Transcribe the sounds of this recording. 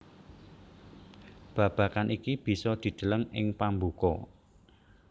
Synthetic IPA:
b̥ä̤b̥a̤kanʔikib̥i̤sɔd̪̥i̤d̪̥ə̤ləŋɪŋpambukɔ

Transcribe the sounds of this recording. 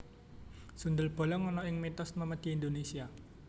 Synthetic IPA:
sund̪əlb̥o̤lɔŋɔnɔɪŋmit̪ɔsməməd̪̥i̤ːnd̪onesia

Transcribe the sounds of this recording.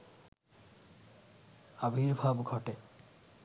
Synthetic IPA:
abʱiɾbʱabɡʱɔʈe

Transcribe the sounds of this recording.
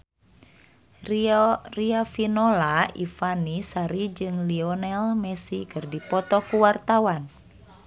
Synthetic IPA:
riafinɔlaifanisaɾid͡ʒɨŋliɔnɛlmɛsikɨrdipɔt̪ɔkuwart̪awan

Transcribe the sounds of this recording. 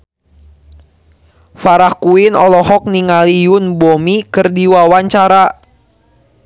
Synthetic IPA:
faɾahkuɪnɔlɔɦɔk̚niŋalijʊnbomikɨrdiwawaɲt͡ʃaɾa

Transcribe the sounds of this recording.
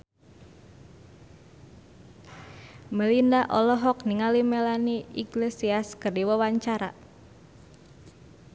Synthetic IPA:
məlindaʔɔlɔɦɔk̚niŋalimelaniʔiɡlesiaskərdiwəwaɲt͡ʃaɾa̰

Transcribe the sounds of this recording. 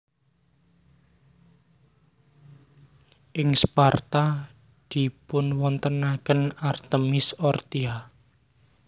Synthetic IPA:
ʔɪŋspart̪a | d̪̥i̤pʊnwɔnt̪ənakənart̪əmɪsɔrt̪ia

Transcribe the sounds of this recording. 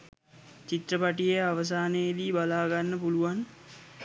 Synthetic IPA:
t͡ʃit̪rəpaʈijeaʋəs̬aːnəjid̪iːbalaːɡanːəpuluʋan

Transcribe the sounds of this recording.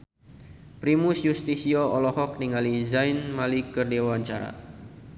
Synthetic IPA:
pɾimusjust̪isioɔlɔhɔk̚niŋalizainmalikərdewaɲt͡ʃaɾa̰

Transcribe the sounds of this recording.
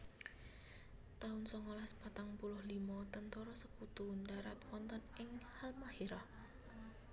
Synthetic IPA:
t̪aʊnsɔŋolaspat̪aŋpulʊhlimɔt̪ənt̪ɔɾɔsəkut̪undaɾat̪wɔnt̪ɔnɪŋhalmaheɾɔh

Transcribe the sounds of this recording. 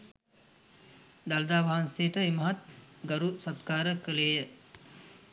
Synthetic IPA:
d̪ald̪aːʋɐɦansejəʈəemɐɦat̪̚ɡɐɾusat̪kaːɾəkəleːjə

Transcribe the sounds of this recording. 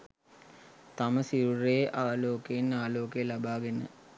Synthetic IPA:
t̪ɐməsiɾureːʔaːloːkeinaːloːkejlɐbaːɡenə̰

